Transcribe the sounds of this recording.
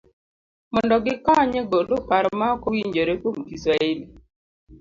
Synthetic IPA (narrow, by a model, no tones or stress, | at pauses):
mɔndɔɡɪkɔɲeɡodopaɾmaɔkowiɲd͡ʒoɾekwomɡisɾaeli